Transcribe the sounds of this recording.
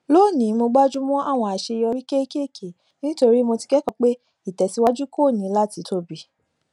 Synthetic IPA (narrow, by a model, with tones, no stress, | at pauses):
lo˦˨nĩ˨˦mo˧ɡ͡ba˦d͡ʒu˦mɔ̃˦ʔa˦˨w̃ɔ̃˧a˨ʃe˧jɔ˧ɾi˦ke˦ke˦˨kʰe˨ | nĩ˦to˧ɾi˦mo˧ti̥˧ɡɛ˦kɔ̃˨k͡pe˦ | i˦˨tɛ˨si˦wa˦d͡ʒu˦ko˦˨nĩ˨˦la˦˨ti˨˦tʰo˧bi˨